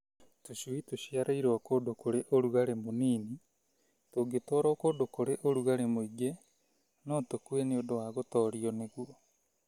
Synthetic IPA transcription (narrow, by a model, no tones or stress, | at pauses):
toɕuitoɕiaɾaiɾwakodokoɾeʔoɾuɣaɾemoniːni | toɡetɔːɾɔkodokoɾeʔoɾuɣaɾemoiɡe | nɔtokweneodowaɣotɔːɾiɔneɣuɔ